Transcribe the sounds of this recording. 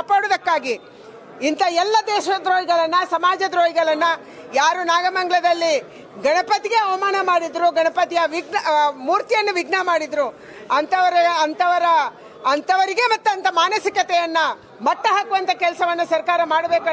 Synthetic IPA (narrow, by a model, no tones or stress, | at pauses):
ɐpoːɽud̪ɐkːaːɡi | int̪ɐɛlːɐd̪ɛːʃɐd̪ɾoːɦiɡɐɭɐnːɐsɐmaːd͡ʒɐd̪ɾoːjiɡɐɭɐnːɐ | jaːɾunaːɡɐmɐŋɡɐɭɐd̪ɐlːi | ɡɐnɐpɐt̪iɡeɐʋɐmaːnɐmaːɽid̪ɾuɡɐɳɐpɐt̪ijɐʋiɡnɐmuːɾt̪ijɐnːɐʋiɡnɐmaːɽid̪ɾu | ɐnt̪ɐʋɐɾɐɐnt̪ɐʋɐɾɐ | ɐnt̪ɐʋɐɾiɡemɐt̪ːuɐnt̪ɐmaːnɐsikɐt̪ɛjɐnːɐ | mɐʈːɐɦaːkuʋɐnt̪ʰɐkɛlsɐʋɐnːɐsɐɾkaːɾɐmaːɽɐbeːk